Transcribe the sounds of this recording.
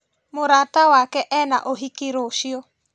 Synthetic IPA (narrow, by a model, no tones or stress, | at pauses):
moɾatawakɛʔɛna̰ʔoɦikiɾoːʃiɔ